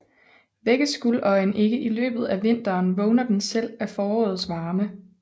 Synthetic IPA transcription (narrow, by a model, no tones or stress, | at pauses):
ʋeɡ̥əsɡ̥ulɒ̽ɪnʔe̝ɡ̥əʔilø̰ːb̥ð̞̩ˠæʋe̝n̰d̥ɐːnʋɔʊnɐd̥ensel̰æfɒːɒ̽ːð̩ˠsʋɑ̈ːmə